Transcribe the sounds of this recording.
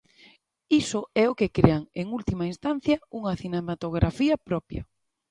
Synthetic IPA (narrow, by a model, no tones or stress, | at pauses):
isʊɛʊkekɾeaŋeŋult̪imɐinst̪an̟θjɐuŋɐθinemat̪oɣ̞ɾʔafiɐpɾɔpjɐ̰